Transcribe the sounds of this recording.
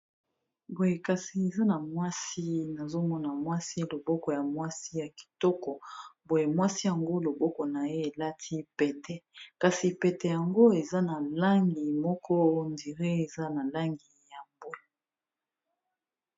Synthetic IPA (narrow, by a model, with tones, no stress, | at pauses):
bo˨je˨ka˨si˨e˨za˦na˨mwa˦si˦na˨zo˦mɔ˦na˨mwa˦si˦lo˨bɔ˦kɔ˨ja˨mwa˦si˦ja˨ki̥˨tɔ˦kɔ˨bo˨je˨mwa˦si˦ja˨ŋɡo˦lo˨bɔ˦kɔ˨na˨je˦e˨la˦tʰi˦pɛ˨tɛ˨ka˨si˨pɛ˨tɛ˨ja˨ŋɡo˦e˨za˦na˨la˦ŋɡi˨mɔ˦kʰɔ˦˨ndi˨ʁe˦e˨za˦na˨la˦ŋɡi˨ja˨mbo˦la˨